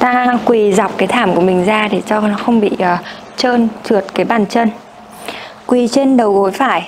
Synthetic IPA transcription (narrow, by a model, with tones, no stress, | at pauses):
t̪aː˧kwi˨˩za˨˩wk͡p̚kaː˨˦jt̪ʰaː˧˩mku˧˩əmï˨˩ŋ̟zaː˧ɗe˧˩t͡ɕɔ˧nɔ˨˦xə˧wŋ͡mɓḭ˧˨ʔəː˨˩ | t͡ɕəː˧nt͡ɕɨ˨˩ət̚kaː˨˦jɓaː˧˩nt͡ɕə˧n | kwi˨˩t͡ɕe˧nɗə˨˩wɣo˨˦jfaː˧˩j